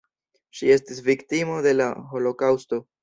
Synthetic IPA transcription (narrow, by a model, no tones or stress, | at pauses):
ʃie̞stisviktimo̞de̞la̰ɦo̞lo̞kawsto̞